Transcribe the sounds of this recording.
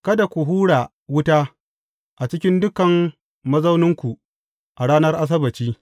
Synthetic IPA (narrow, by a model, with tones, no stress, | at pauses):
kɐ˦da˨kʷu˨ɦuː˦ɽa˨ | wʊ˦taː˦ | ʔa˨t͡ʃɪ˦kʲɪ˦ndʊ˦kɐ˨m | mɐ˦zɐ˦wnɪ˦ŋkʷu˨ | ʔa˨ɽaː˦nɐ˦rʔa˦s̬ɐ˦bɐ˨t͡ʃiː˦